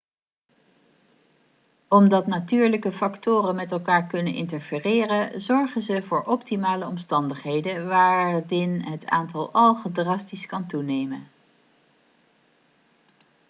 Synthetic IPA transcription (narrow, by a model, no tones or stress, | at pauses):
ɔmdɑtnatyːɹləkəfɑktʊːrənmɛtɛlˠkaːɹkɵnənʔɪ̰ntəɹfɪːrɪːrənzɔɹχənzəvʊːɹʔɔptimaːləɔmstɑndəχɦejdənʋaːɹdɪnɦəta̰ːntɑlˠɑlˠχədrɑstiskɑntunejmən